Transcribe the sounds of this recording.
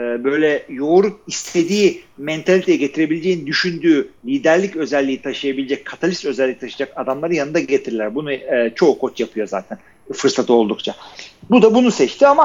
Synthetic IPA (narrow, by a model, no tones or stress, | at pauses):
ɛːbø̞jlʲɛjo̞ɾup̚ist̪ʰe̞d̪iːmɛnt̪ʰalʲit̪ʰejɛɟe̞t̪ʰiɾe̞bilʲed͡ʒeːind̪yʃynd̪yːlʲiːd̪æɾlʲicø̞zɛlʲːiːit̪ʰaʃɯjabilʲed͡ʒɛc̚kʰat̪ʰalʲist̪ø̞zɛlʲːicit̪ʰaʃad͡ʒakad̪amlˠaɾɯnjanɯnd̪aɟe̞t̪ʰiɾilʲæɾbunut͡ʃʰo̞ːkʰo̞t͡ʃjapʰɯjo̞za̰ːt̪ʰɛn | fɯɾsat̪ʰɯo̞lˠd̪ukt͡ʃʰabud̪abunusɛt͡ʃt̪ʰiama